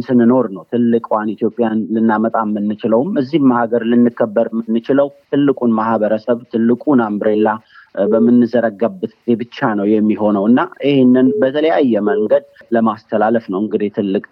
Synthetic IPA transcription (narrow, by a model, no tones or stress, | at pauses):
sɨnɨno̞ɾnəwt̪ʰɨlːɨkʼwanit̪ʰjo̞pʼːjanlɨnːamət̪ʼamːɨnːɨt͡ʃɪləwmɨzːihmahaɡəɾlɨnːɨkːəbːəɾmɨnːɨt͡ʃɪləwt̪ʰɨlːɨkʼunmahbəɾəsəβt̪ʰɨlːɨkʼunambɾelːa | bəmːɨnːɨzəɾəɡːabːɨt̪ɡize̞bɨt͡ʃːanəwjɛmːiɦo̞nəwɨnːaʔihenːɨnbət̪ʰələjajːɛməŋɡəd̪̚ləmast̪ʰəlaləfnəwɨŋɡɨd̪it̪ʰɨlːɨkʼ